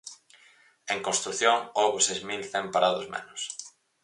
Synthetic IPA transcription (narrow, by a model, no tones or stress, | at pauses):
eŋkõnst̪ɾuθjoŋoɣʊsejzmilθɛmpaɾaðʊzmḛnʊs